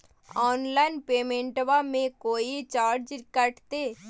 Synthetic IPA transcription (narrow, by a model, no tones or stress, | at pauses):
ɔːnlaːɪnpeːmẽːɳʈʋamẽkoːit͡ʃaːɾd͡ʒkəʈʰt̪eː